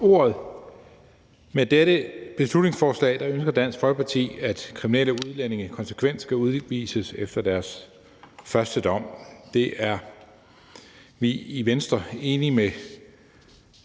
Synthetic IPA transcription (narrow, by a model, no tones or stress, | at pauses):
o̝ːɐð̞̩ˠ | med̥eɾəb̥e̝slud̥ne̝ŋsfɒːslɛ̰ːd̥ɑ̈ønsɡ̥ɐd̥æn̰sɡ̥fɒ̽lɡ̥ə̥pʰɑ̈t͡sʰḭːæd̥kʰʁimineləuð̞ˠlene̝ŋəkʰɒ̽nsə̥kʰʋen̰d̥sɡ̥æuð̞ˠʋḭːsəsefd̥ɐd̥æɐs | fɶɐsd̥əd̥ɒ̽m̰d̥e̝ʔæɐ | ʋiiʋensd̥ʁɐe̝ːnime